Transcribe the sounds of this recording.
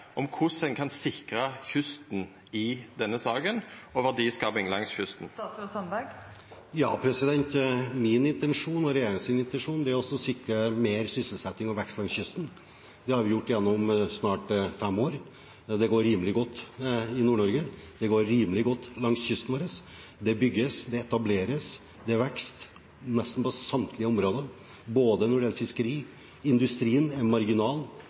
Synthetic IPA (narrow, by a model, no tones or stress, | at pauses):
ʔɔmkʰʊsɛŋkʰɑnsɪkɾəçʉst̪n̩ | ɪd̪ɛnːəsɑːɡənɔʋɑd̪iːskɑːbɪŋlɑŋsçʉst̪n̩sɑnbæɡ | jɑːpʰɾɛsɪd̪ɛnt̪mɪnɪnt̪ɛnʂuːnɔɾɛjeːɾɪŋsɪnɪnt̪ɛnʂuːnd̪ɛæɾɔsːɔsɪkɾəmeːɾsʏsəl̩sɛt̪ːɪŋɔʋɛkst̪lɑŋsçʏst̪n | d̪ɛhɑɾʋɪjʊʈːɪjɛnːɔmsnɑːʈfɛmːoːɾ | d̪ɛɡoːɾɾiːməlɪɡɔt̪ːɪnuːɳɔɾɡəd̪ɛɡoːɾɾiːməlɪɡɔt̪ːlɑŋsçʏst̪n̩ʋoːɾəs | d̪ɛbʏɡːəsd̪ɛɛt̪ɑbleːɾəs | d̪ɛʋɛkst̪ | nɛst̪n̩pɔsɑmt̪ʰlɪəɔmɾoːd̪ə | boːd̪ənɔɖɛɛlfɪskəɾiː | ɪnd̪ʉst̪ɾiːənɛnmɑɾɡɪnɑːl